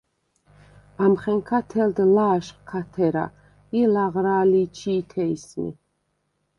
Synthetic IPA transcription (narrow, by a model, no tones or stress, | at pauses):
amχɛŋkʰat̪ʰɛld̪laːʃχkʰat̪ʰɛɾa̰ | ilaʁɾaːliːt͡ʃʰiːt̪ʰɛismḭ